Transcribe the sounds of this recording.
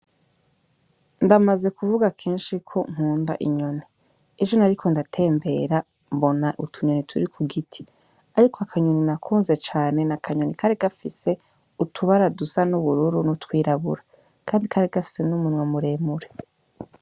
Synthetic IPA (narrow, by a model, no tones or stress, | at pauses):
ndamaze̞kuvuɡakʰe̞ːnʃikʰo̞ŋ̥uːnda̰ʔḭɲo̞ni | ed͡ʒo̞naɾikʰo̞ndatʰe̞ːmbe̞ɾa | mbo̞naʔṵtʰuɲo̞nitʰuɾikʰuɡitʰi̥ | aɾikʰoakʰaɲoninakʰuːnze̞t͡ʃaːne̞nakʰaɲonikʰaɾeɡafise̞ | utʰuβaɾadusanuβuɾuɾunutwiːɾaβṵɾa | kʰaːndikʰaɾeɡafi̥se̞numunwemuɾe̞ːmuɾe